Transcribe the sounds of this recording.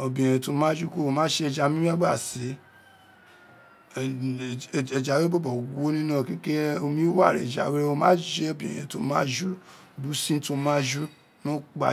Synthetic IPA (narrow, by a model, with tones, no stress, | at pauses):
o˨bĩ˨ẽ˨ɛ̃˨to˨˧mãː˦d͡ʒu˦ko˦o˧˨mãː˦ʃe˧˦˧d͡ʒa˧mĩ˦a˦ɡ͡ba˦˨se˨˦˨ | e˨d͡ʒa˨we˦bo˦bɔ˨ɡo˦nĩ˦nã˦˨ki˦ke˦o˧mĩ˦wa˦˨ɾḛ˨d͡ʒa̰˨we˦o˧mãː˦d͡ʒe˦o˦˨bḭ̃˨jɛ̰̃˨to˧˦mãː˦d͡ʒu˦˨ | bu˨˦sĩ˦to˧mã˦d͡ʒu˦ | nõ˦k͡pa̰˨